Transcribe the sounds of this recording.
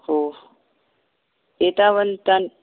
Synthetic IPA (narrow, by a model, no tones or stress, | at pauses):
ho | et̪aʋənt̪an